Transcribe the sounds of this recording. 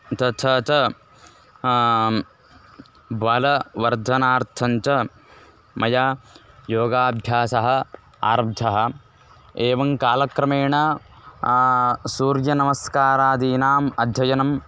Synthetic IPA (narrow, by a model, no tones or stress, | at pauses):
t̪ɐt͡ʃʰɐt͡ʃɐ | bʋaːlɐʋɐɾd̪ʱɐnaːɾt̪ʰɐɲt͡ʃɐ | mɐjaːjoːɡaːbʱjaːsɐɦɐ̆ | a̰ːɾɐbd̪ʱɐɦɐ̆ | eːʋɐŋkaːlɐkɾɐmeːɳɐ | suːɾjɐnɐmɐskaːɾaːd̪iːnaːmɐd̪ʱjɐjɐnɐm